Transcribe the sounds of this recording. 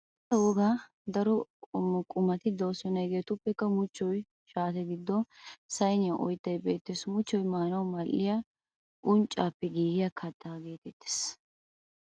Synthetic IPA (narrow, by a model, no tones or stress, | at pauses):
t̪ɐwɔɡaː | d̪ɐɾɔmɔkʼʊmɐt̪ɪd̪ɐwsɔnɐjɡe̞ːt̪ʊpːɛkːɐmʊt͡ʃːɔj | ʃaːt̪ɛɡɪd̪ːɔsɐjnɪjɐʔɔjt̪ːɐjbe̞ːt̪ːesmʊt͡ʃːɔjmaːnɐwmɐlːɪja | ʔʊnt͡ʃʼːaːpːɛɡiːɡɪjɐkʰɐt̪ːaɡe̞ːt̪ɛt̪ːe̥ːs